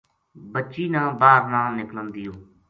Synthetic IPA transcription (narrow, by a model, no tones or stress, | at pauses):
bətːʃiːnãːbaːɾnãːnɪklənd̪ɪjõː